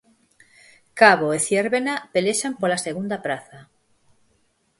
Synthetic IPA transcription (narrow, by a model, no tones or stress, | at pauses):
kaβoeθjeɾβenapeleʃampolaseɣ̞und̪apɾaθa